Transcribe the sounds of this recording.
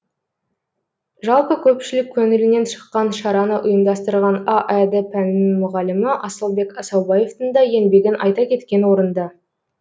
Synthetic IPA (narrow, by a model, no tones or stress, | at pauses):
ʒɑlˠpəkʲʰɵpʃɪlɪkʲʰːɵŋɪɾɪne̞nʃə̥qːɑnʃɑɾɑnəʔʊjəmd̪ɑst̪əɾʁɑnɑʔæd̪ɪpʰænɪnɪŋmʊʁɑlɪmɪʔɑsəlˠbe̞kɑsɑwbɑje̞ft̪ənd̪ɑje̞nbe̞ɡʲɪnʔɑjt̪ɑkʲʰe̞t̪kʲe̞nwo̞ɾənd̪ɑ